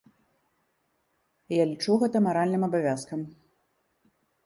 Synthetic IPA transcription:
jalʲit͡ʂuɣɛt̪ɐmaɾalʲnɨmɐbavʲaskɐm

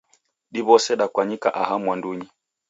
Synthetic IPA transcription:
ɗiβɔsɛɗakwaɲika̰ʔahamwanduɲi

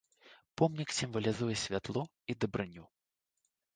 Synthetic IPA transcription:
pɔmnʲiksʲimvɐlʲizujɛsʲvʲat̪lˠɔ | id̪ɐbɾɨnʲu

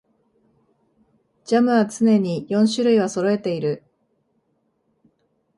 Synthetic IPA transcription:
d͡ʑamɯ̟βat͡sɨne̞ɲ̟ijõ̞ɕɨɾɯ̟iβaso̞ɾo̞e̞t̪e̞iɾɯ̟

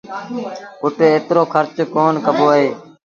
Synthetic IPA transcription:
kʊʈeːeːt̪ɾoːkʰəɾt͡ʃkoːnkəboːəɦeː

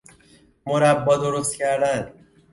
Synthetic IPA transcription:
moɾæbːɒːd̪oɾost̪cʰæɾd̪æn

